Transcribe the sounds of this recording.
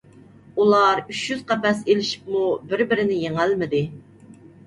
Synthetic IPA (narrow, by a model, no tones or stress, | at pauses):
ulˠɑɾyt͡ʃjyz̥qʰɑpɛselɪʃi̥pmubɪɾbɪɾɪnɪjeŋælmɪd̪ɪ